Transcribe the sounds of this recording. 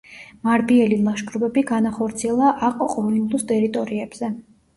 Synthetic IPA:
maɾbiɛlilˠaʃɡɾubɛbiɡanaχɔɾt̪sʰiɛlˠaʔaqʼɔqʼɔliŋɡlˠust̪ʼɛɾit̪ʼɔɾiɛb̥z̥ɛ

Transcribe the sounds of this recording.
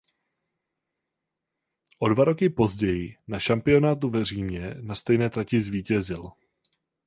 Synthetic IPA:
ʔo̞dvaɾo̞kɪpo̞zɟɛjɪnaʃampɪo̞naːt̪̬uvɛr̝iːmɲɛnast̪ɛjnɛːt̪ɾacɪzviːcɛzɪl

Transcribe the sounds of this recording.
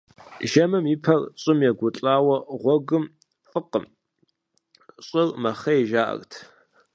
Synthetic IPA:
ʒɐmɨmipʰɐrɕʼɪmjɛɡʷʊt͡ɬʼaːwɐʁʷɔɡɨm | fʼɨqəm | ɕʼɪrmɐχɐjeʒaːʔɐ̰rtʰ

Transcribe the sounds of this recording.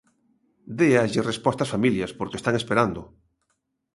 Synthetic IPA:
d̪eaʎerespɔst̪asfamiljaspoɾkest̪aŋespeɾand̪ʊ

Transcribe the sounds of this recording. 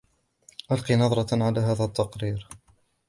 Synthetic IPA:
ʔalqiːnɑðˤɾˤɑʕalaːɦaːðat̪ːɑqɾiːɾ

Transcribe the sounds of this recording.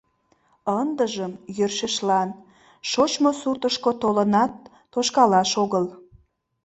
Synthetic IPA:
ənd̪əʒəmjørʃeʃlɑn | ʃot͡ɕmosurt̪əʃkot̪olənɑt̪̚ː | oʃkɑlɑʃoɣəl

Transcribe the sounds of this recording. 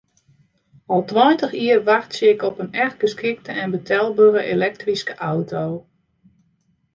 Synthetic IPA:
ɔlˠtwɔjntəxiərʋaχtsiɪkɔpənɛxɡəskɪk̚təɛnbətʰɛlˠbørəʔelɛk̚triskəʔawtʰow

